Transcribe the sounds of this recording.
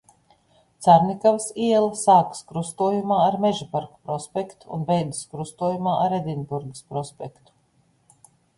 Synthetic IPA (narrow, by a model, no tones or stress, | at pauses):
t̪saɾnʲikavsiɛlˠɐsaːkskɾust̪uɔjumaːɾmɛʒipaɾkḁpɾɔspʲekt̪u̥ṵnbɛjd̪ɨskɾust̪uɔjumaːʔaɾɛd̪ʲinbuɾɡə̥spɾɔspʲɛkt̪u̥